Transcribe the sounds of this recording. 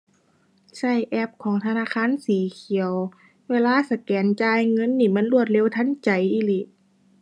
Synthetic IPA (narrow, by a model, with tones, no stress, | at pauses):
sa˧˩jʔɛ˧˥p̚kʰɔː˨˦ŋt̪ʰa˧naː˧˥˨kʰaː˧˥˨nsiː˨˦kʰi˨˦ə˦w | weː˧˨laː˧˥˨sa˧kɛː˨˦nt͡ɕaː˧˨jŋɤ˧˥˨nːiː˧˩ma˧˥˨nlu˧˩ət̪̚le˧˥˨wt̪ʰa˧˥˨nt͡ɕa˨˦jʔiː˧˨li˧˩˨